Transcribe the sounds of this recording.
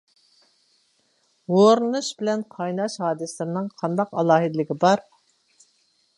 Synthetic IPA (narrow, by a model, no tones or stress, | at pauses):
woɾnuʃbɪlɛnqʰɑjnɑʃhɑːd̪ɨsɨlɨɾɪnɨŋqʰɑnd̪ɑqɑlˠɑːɦɨd̪ɪlɪɡʲibɑɾ